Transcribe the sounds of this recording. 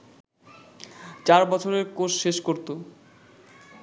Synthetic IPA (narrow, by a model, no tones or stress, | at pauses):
t͡ɕaɾbɔt͡ɕʰoɾeɾkoʃʃeʃkoɾt̪o